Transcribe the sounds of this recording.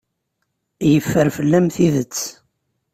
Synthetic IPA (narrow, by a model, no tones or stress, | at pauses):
jəfːəɾfəlːæmθiðət͡sː